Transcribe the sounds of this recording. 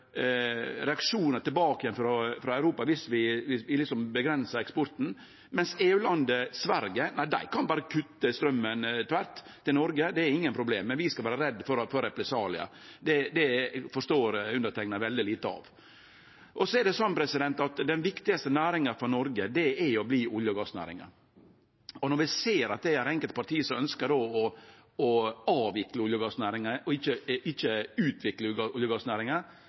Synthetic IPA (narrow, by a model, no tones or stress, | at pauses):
ɾɛɑkʂuːnəʈ̪ɪlbɑːkəjɛnfɾɔfɾɑæʉɾuːpɑʋɪsʋɪʋɪʋɪlɪksɔmbəɡɾɛnsəɾɛkspɔɾt̪n̩ | mɛnseːʉːlɑnd̪əsʋæɾɡənæɪd̪æ̰ɪkʰɑnbɑːɾəkʰʉt̪ːəst̪ɾœmːənt̪ʰʋæɾt̪ʰːɪlnɔɾɡəd̪ɛæɾɪŋːənpʰɾʊbleːmːɛnʋɪskɑlʋæːɾəɾɛd̪ːfɔɾfɔɾːɛpɾɛsɑːlɪ̰ɑ̰ | d̪ɛd̪ɛfɔʂt̪oːɾʉnd̪ət̪ʰɛk̚nəʋɛld̪ɪliːt̪əɑ̰ʋ | ʔɔsɔɛɾɖɛsɔnːpʰɾɛsɪd̪ɛnt̪ɑt̪d̪ɛnʋɪkt̪ɪɡɑst̪ənæːɾɪŋəfɔɾnɔɾɡəd̪ɛɛɾjɔbliːʊljəɡɑːsnæ̰ːɾɪ̰ŋə̰ | ɔnɔɾʋɪseːɾɑt̪̚d̪ɛæɾɛŋkəlt̪pɑɾʈʰiːsɔmœnskədoːɔ | ɔɑːʋɪkləʊljəɡɑːsnæːɾɪŋəʔɔɪçːəɪçːəʉːt̪ʰʋɪkləʊljəɡɑːsnæːɾɪŋə